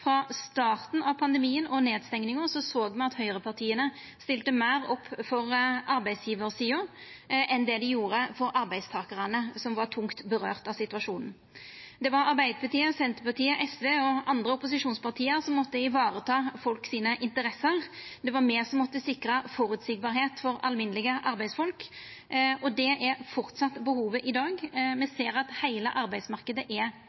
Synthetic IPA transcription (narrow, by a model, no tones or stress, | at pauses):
fɾɑst̪ɑːʁt̪n̩ɑʋpʰɑnd̪əmiːənɔneːd̪st̪ɛŋnɪŋɔsɔsoːɡmɛɑt̪hœʏʁəpʰɑʁt̪ʰiːənə | st̪ɪlt̪əmæːʁɔpːfɔɾʔɑɾbæɪd̪sjiːʋəɾsiːʊ | ʔɛnd̪ɛd̪ɛjuːɾəfɔɾɑɾbæɪst̪ʰɑːkəʁənəsɔmʋɑʁt̪ʰʊŋkt̪bəɾø̰ːʁt̪ɑsɪt̪ʉɑʂuːnn̩ | d̪ɛʋɑɾɑɾbæɪd̪əpɑt̪iːəsɛnt̪əpɑt̪ʰiːəʔɛsʋeːɔɑnd̪ʁəʊpʊs̬ɪʂuːnspɑʁt̪ʰiːəɾsɔmːɔt̪ːəɪʋɑːɾət̪ʰɑːfɔlksiːnəʔɪnt̪əɾɛsəɾd̪ɛʋɑɾmeːʁsɔmːɔt̪ːəsɪkɾəfɔɾʉt̪sɪɡ̚bɑːɾɦeːt̪fɔɾɑ̰lmɪnlɪɡəʔɑɾbæɪsfɔlk | ʔɔd̪ɛʔɛɾfɔɾt̪sɑt̪ːbəhuːʋəʔɪd̪ɑːɡmɛseːɾɑt̪hæɪlə̰ʔɑɾbæɪsmɑʁkəd̪əʔɛɾ